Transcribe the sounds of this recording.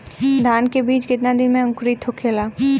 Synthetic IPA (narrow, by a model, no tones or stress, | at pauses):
d̪ʱaːnkebiːt͡ʃkɪt̪nad̪ɪnmẽə̃ŋkɾit̪ʰokʰeːlaː